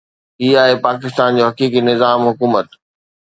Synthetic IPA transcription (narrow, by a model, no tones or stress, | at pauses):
iːaːɦepaːkɪst̪aːnd͡ʑoːɦɐkiːkinɪzaːmɦʊkuːmət̪